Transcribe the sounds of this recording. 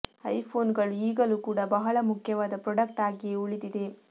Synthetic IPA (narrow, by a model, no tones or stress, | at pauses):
ɐjpʰo̞ːnɡɐɭuiːɡɐluːkuːɽɐbɐɦɐɭɐmukʰjɐʋaːd̪ɐpɾɔɽɐk̚ʈaːɡieuɭid̪id̪e̞